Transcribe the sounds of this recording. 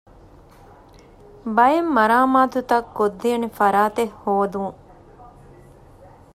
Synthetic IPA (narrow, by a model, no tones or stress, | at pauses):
bɐjemːɐɾaːmaːt̪ut̪ɐkːod̪ːijːnefɐɾaːt̪ehːoːd̪uŋ